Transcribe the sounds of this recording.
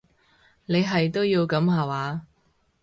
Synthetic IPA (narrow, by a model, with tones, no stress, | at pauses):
ne˨˧jɦɐ˨jt̪o˥wjiː˧wkɐ˨˥mɦaː˨waː˨˧